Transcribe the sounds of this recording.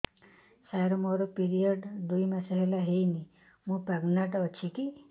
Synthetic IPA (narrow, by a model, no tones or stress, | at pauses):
saɾomoɾopiɾijəɖd̪ujmãsəɦelaɦejni | mũpaɡnaʈɔt͡ʃʰiki